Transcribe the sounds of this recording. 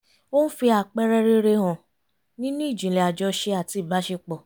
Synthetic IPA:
o˦n̩˦fi˧a˨k͡pɛ˧ɾɛ˧ɾe˧ɾe˧ɦã˨ | nĩ˦nũ˦i˦˨d͡ʒĩ˨lɛ˨a˨d͡ʒɔ˧ʃe˧a˨ti˧˦i˦˨ba˨˦ʃe˧k͡pɔ˨

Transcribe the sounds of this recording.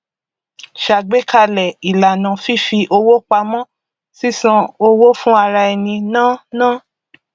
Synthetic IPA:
ʃa˨ɡ͡be˦ka˧lɛ˨i˨la˨nã˨fi˦fi˧ʔo˧wo˦k͡pa˧mɔ̃˦ | si˦sã˧o˧wo˦fũ˦a˧ɾa˧ɛ˨nĩ˧nãː˦nã˦

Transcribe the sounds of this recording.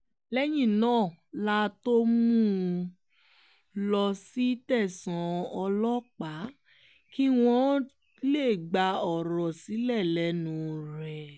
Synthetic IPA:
lɛ˦j̃ĩ˦˨nãː˦˨la˦to˦mũũ˦ | lɔ˧si˦tɛ˦˨sã˨ɔ˧lɔ˦k͡pa˨˦ | ki˦w̃ɔ̃˦ | le˦˨ɡ͡ba˧ɔ˨ɾɔ˨si˨˦lɛ˦˨lɛ˨˦nũ˨˦ɾɛ˨

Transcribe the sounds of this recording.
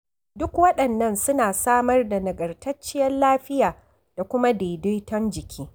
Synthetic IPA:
dʊ˦kwɐ˦ɗɐ˨nːɐ˦nsʊ˦naː˨saː˦mɐ˦rda˨nɐ˨ɡɐ˨rtɐ˦t͡ʃːɪ˦jɐ˦nlaː˦ɸɪ˦jaː˨ | d̥a˨kʷʊ˦ma˦deː˨do˦jtɐ˦nd͡ʒɪ˨kʲʰiː˦

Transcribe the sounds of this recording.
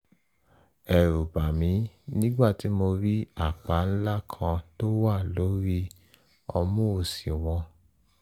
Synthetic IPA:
ɛ˨ɾu˨ba˨mĩ˨˦nĩ˦ɡ͡ba˦˨ti˨˦mo˧ɾi˦a˦˨k͡pa˨˦n̩˦la˦kʰã˧to˦wa˦˨lo˨˦ɾi˦ | ɔ˧mũ˦o˨si˨w̃ɔ̃˧

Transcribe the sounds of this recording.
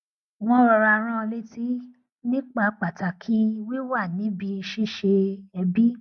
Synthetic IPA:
w̃ɔ̃˦ɔ˧ɾa˧ɾ̃ã˦˧le˦ti˦ | nĩ˦k͡pa˧k͡pa˨ta˨kʰi˦˧wi˦wa˦˨nĩ˨˦bi˧ʃi˦˨ʃe˧ɛ˧bi˦

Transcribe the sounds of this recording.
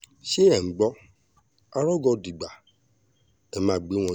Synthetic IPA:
ʃe˦ɛ˨˦ɡ͡bɔ˦ | a˧ɾɔ˦ɡɔ˧˨di˨ɡ͡ba˨ | ɛ˨mã˨˦˨ɡ͡be˨˦w̃ɔ̃˧

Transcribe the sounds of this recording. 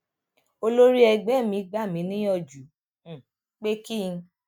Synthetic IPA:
o˧lo˦ɾi˦ɛ˧ɡ͡bɛ˨˦˨mĩ˨˧˦ɡ͡ba˦˨mĩ˨˦nĩ˦jɔ˦˨d͡ʒũ˨ | k͡pe˦ki˦˧

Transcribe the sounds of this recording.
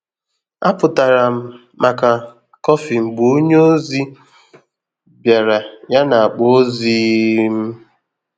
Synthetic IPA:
a˦pʊ˨ta˨ɾa˨m̩˦ | ma˨ka˨ | kɔ˦fi˨ŋ͡m̩˨ɡ͡bu˨˦ɲ˦o˦zi˦ | bja˨ɾa˨ja˦na˨a˨k͡po˦zi˦m̩˦

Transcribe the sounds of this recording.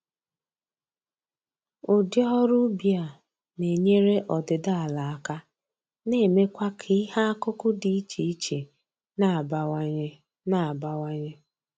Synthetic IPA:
ʊ˨dɔ˦ɦɔ˦ɾu˦bi˨a˨ | ne˨ɲe˦ɾe˦ʔɔ˨dɪ˨da˦a˨la˨a˨ka˦ | ne˦˨me˦kʷa˦kʰi˦ha˦a˦kʊ˦kʊ˦di˨i˦t͡ʃe˨i˦t͡ʃe˨ | na˨ba˨˦ɲ˦ | na˦˨ba˦wa˦ɲe˦

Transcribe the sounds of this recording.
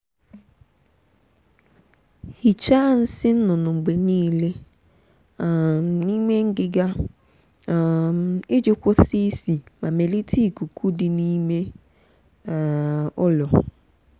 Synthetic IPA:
hi˨t͡ʃa˦n̩˦sɪ˦n̩˦nʊ˨nʊ˨ŋ͡m̩˨ɡ͡be˨niː˦le˦˨ | ni˦me˦ŋ̩˦ɡɪ˨ɡa˦˨ | ɪ˦d͡ʒɪ˦kʷʊ˦si˦si˨ma˨me˨li˦tʰi˦˨ku˨kʰu˦dɪ˨ni˦me˦˨ | ʊ˦lɔ˨

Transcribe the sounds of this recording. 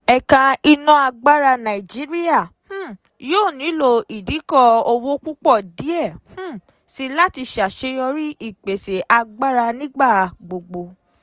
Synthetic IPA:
ɛ˧ka˧i˧nɔ̃˦a˧ɡ͡ba˦ɾa˧nã˨i˨d͡ʒi˨˦ɾi˦a˦˨h̩˦ | joː˦˨nĩ˨˦lo˧i˨di˨˦kɔ˦˨o˧wo˦k͡pu˦k͡pɔ˦˨di˨˦ɛ˦˨h̩˦ | si˧la˦ti˧ʃa˨ʃe˧jɔ˧ɾi˦ʔi˦˨k͡pe˨se˨ʔa˧ɡ͡ba˦ɾa˧nĩ˦ɡ͡ba˦˨ɡ͡bo˨ɡ͡bo˨

